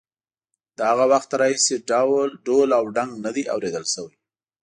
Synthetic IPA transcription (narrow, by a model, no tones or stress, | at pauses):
d̪̥əhaɣawaxt̪ɾɑhiseɖawlɖolawɖaŋɡnad̪iʔa̰wɾed̪əlʃəwəj